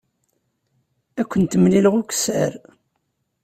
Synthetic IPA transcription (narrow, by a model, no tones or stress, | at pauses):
ækʷːənt̪əmliləʁʊkə̥sə̰ɾ